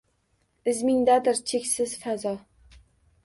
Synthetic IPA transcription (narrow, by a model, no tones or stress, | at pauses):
ɪzmɪŋd̪ad̪ɪɾt͡ʃʰekʲsɪz̥fazɒ